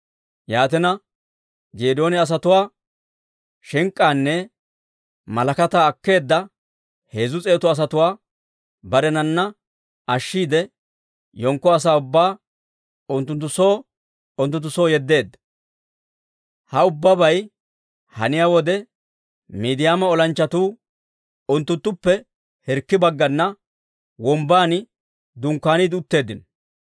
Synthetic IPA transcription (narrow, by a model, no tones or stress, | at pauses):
jaːt̪ɛnɐ | d͡ʒeːd̪o̞ːnɪɐs̬ɐt̪ʊwaː | ʃɛŋkʼːaːnːɛ | mɐlɐkɐt̪aːɐkːe̞ːd̪ːɐ | he̞ːzʊt͡sʼe̞ːt̪ɔɐs̬ɐt̪ʊwaː | bɐɾɛnɐnːɐ | ɐʃːiːd̪ɛ | jɔŋkːɔɐs̬aːʊbːaː | ʊnt̪ːʊnt̪ːʊsoː | ʊnt̪ʊnt̪ːʊso̞ːjɛd̪ːe̞ːd̪ːɐ̥ | hɐʊbːɐbɐj | hɐ̰nɪjaːwɔd̪ɛ | miːd̪ɪjaːmɐɔlɐnt͡ʃːɐt̪uː | ʊnt̪ːʊnt̪ːʊpːɛ | hɛɾkːɪbɐɡːɐnːɐ | wɔmbaːnɪ | d̪ʊŋkːaːniːd̪ɪʊt̪ːe̞ːd̪ːɪnɔ